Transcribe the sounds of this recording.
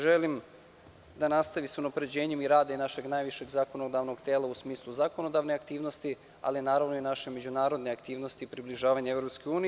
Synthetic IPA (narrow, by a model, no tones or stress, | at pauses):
ʒelim | d̪anast̪aʋiseunapɾe̞d͡ʑe̞ːɲemiɾaːd̪enaʃe̞ɡnajʋiʃe̞ɡzako̞nod̪aʋno̞ɡt̪eːlˠausmiːslˠuzakono̞d̪aʋneakt̪iːʋno̞st̪i | a̰linaːɾaʋno̞inaʃeme̞d͡ʑunaːɾod̪neakt̪iːʋno̞st̪iːpɾibliʒaːʋaɲeevɾopskeuːni